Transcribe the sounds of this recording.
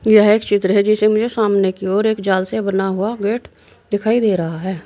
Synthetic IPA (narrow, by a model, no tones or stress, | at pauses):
jəɦeːkt͡ʃɪt̪ɾəɦɛd͡ʒɪsemʊd͡ʒʱesaːmnekioːɾeːkd͡ʒaːlsebənaɦʊaɡeːʈ | d̪ɪkʰaːid̪eːɾɐɦaɦɛː